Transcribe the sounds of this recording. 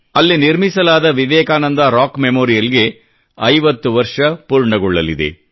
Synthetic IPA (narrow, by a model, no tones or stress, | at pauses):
ɐlːiniɾmisɐlaːd̪ɐʋiʋɛːkaːnɐnd̪ɐɾaːkmemoːɾijɐliɡe̞ | ɐjʋɐt̪ːuʋɐɾʂɐpuːɾɳɐɡuɭːɐlḭd̪e̞̰